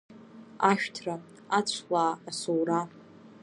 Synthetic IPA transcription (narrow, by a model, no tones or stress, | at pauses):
aʃᶣtʰra | at͡ɕʷʰlaːsowra